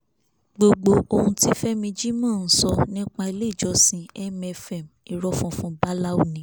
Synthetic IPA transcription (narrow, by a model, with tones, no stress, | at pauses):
ɡ͡bo˧ɡ͡bo˧o˧hũ˧ti˦fɛ˦mĩ˧d͡ʒi˦mãː˦˨n̩˦sɔ˧nĩ˦k͡pa˧i˧le˦i˦˨d͡ʒɔ˧sĩ˧ɛ˦mɛ˧fɛ˨m | i˨ɾɔ˧˦fɔ̃˨˧fũ˧ba˦la˦o˦˨nĩ˨˦